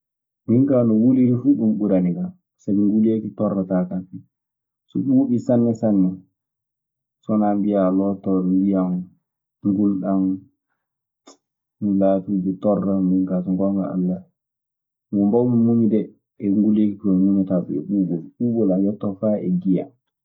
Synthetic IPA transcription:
miŋkanɔwuliɾifuɗumɓuɾaniɡa | sabiŋɡulekitɔrːatakafi | sɔɓuːɓisanːɛsanːɛ | sɔnambijalɔtɔɾmbijan | ŋɡulɗan | nlatuːd͡ʒitɔrːamiŋkasɔŋɡɔŋɡa̰a̰lːa | ŋɔmbawmimuɲidɛ | ɛŋɡulekikɔnumataɓṵɛ̰ɓuːɓɔlɓuːɓɔlajɔtːɔfaɛ̰ɡija̰

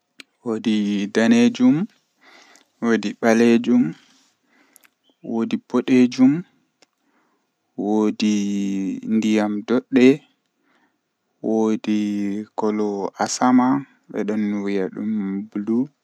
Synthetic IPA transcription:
wodidaned͡ʒum | wodiɓaled͡ʒum | wodibɔɗed͡ʒum | wodi | ndijamdɔɗːɛ | wodikɔlɔʔasama | ɓɛ̰ɗɔnːwijaɗṵmbulu

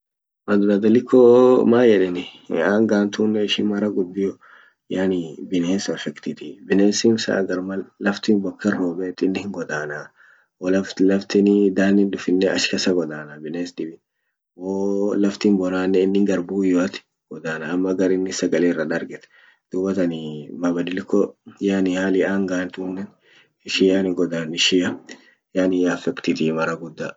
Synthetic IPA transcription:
mɐd̪ʊnɐd̪ɐlɪkʰːɔmaːjɛᶑɛnɪaːŋɡaːnt̪uːnːɛɪʃɪnmɐɾɐɡʊb̪ːɪjɔ | jaːnibɪneːsɔfɛkt̪ɪt̪ɪbɪneːsiːnsɐ̰ʔɡɐɾmɐlɐft̪iːnbɔkːɐrːoːbɛt̪ːɪnːɪhɪŋɡɔd̪aːna | wɔlɐflɐft̪ɪnɪd̪aːnːɪnd̪ʊfɪnːɛɐ̰ʃkɐsɐɡɔd̪aːnabɪneːsd̪ɪbɪ | woːlɐft̪imbɔnaːnːɛɪnːɪŋɡɐɾbuːjɔɐt̪ɪ̥ | ɡ̥ɔd̪aːnaːmːɐɡɐɾɪnːɪsɐɡɐleːrɐᶑ̪ɐɾɡɛt̪ɛ̥ | d̪̥uːbɐt̪ɐnɪmabɐd̪ɪlɪkːɔjanɪhaːlɪʔaːŋɡaːnt̪uːnːɛn | ɪʃɪjanɪɡɔd̪aːnɪʃɪjɐ | jaːnɪjafɛkt̪ɪt̪iːmɐɾɐɡʊd̪ːa

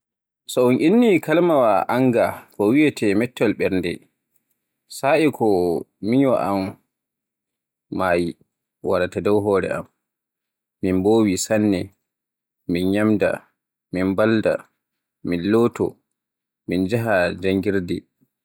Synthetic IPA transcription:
sɔunʔinːikalmawaʔaŋɡakɔwijɛtʰɛmɛtːɔlɓɛɾndɛ̰ | saikʰɔmiɲwa̰ʔa̰m | aːji | waɾatadɔwɦɔːɾɛ̰ʔa̰mː | inboːwisanːɛ | minɲamda̰ | minbalda̰ | minloːtɔ̰ | mind͡ʒaɦad͡ʒaŋɡiɾdɛ

